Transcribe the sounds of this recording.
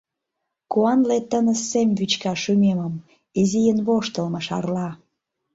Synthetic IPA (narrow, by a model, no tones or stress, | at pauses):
kuɑnlet̪ənə̆semβyt͡ɕkɑʃymeməm | izijənβoʃt̪ə̆lməʃɑ̰rlɑ